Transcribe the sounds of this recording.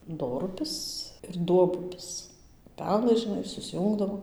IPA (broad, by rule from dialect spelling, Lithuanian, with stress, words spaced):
ˈdoːrʊpʲɪs ɪr ˈduɔbʊpʲɪs ʊˈpʲæːlˠɘs ʒʲɪˈnɐɪ sʊsʲˈjuːŋɡdɐʋoː